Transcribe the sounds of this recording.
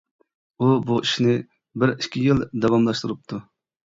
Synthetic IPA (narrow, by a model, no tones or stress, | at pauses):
ubuʔiʃnɪ | bɪɾiʃkʲʰːijild̪ɑwɑmlˠɑʃt̪uɾup̚t̪ʰu